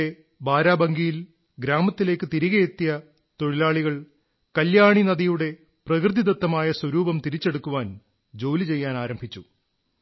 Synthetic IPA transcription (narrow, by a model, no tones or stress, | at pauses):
e | baːɾaːbɐŋɡijil | ɡɾaːmɐt̪ːile̞ːkːɨt̪iɾiɣɐjet̪ːijɐ | t̪o̞ɻilaːɭiɣɐɭ | kɐljaːɳinɐðijuɽe̞ | prɐkrɨd̪id̪ɐt̪ːɐmaːjɐswɐɾuːbɐmt̪iɾit͡ɕːeɽukːuʋaːn | d͡ʑo̞ːlit͡ɕe̞jːaːnaːɾɐmbʱit͡ɕːu